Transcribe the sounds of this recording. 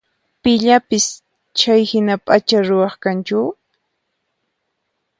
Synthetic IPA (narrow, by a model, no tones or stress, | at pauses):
pɪʎapɪs | t͡ʃajhɪnapʼat͡ʃaɾʊwɑχkant͡ʃʊ